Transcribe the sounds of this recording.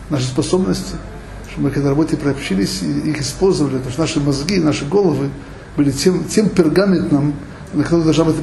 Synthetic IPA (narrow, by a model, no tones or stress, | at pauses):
naʂ̬ɨspɐso̞bnəsʲtʲɪ | ʂt̪obmɨkɐɡd̪aɾɐbot̪ʲɪpɾɐpɕilʲɪsʲiixɪspolʲzəvəlʲɪt̪oʂt̪naʂɨmɐzɡʲinaʂɨɡo̞lˠəvɨ | b̥ɨlʲɪtʲemtʲempʲɪrɡamʲɪnt̪nəm | nəkt̪od̪ɐlˠʐnabɨt̪